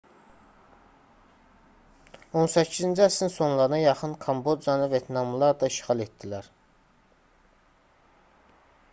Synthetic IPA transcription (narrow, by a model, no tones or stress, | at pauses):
o̞nsæcʰːizind͡ʒiæsinso̞nlˠɑɾɯnɑjɑχɯnkʰɑmbo̞d̪ijɑnɯvet̪ʰnɑmlˠɑɾd̪ɑiʃχɑlˠe̞t̪̚d̪̥ilæɾ